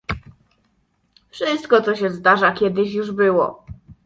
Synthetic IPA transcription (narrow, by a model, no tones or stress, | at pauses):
fʂɘst̪kɔt̪sɔɕɛzd̪aʐakʲɛd̪ɘɕjuʐbɘwɔ̰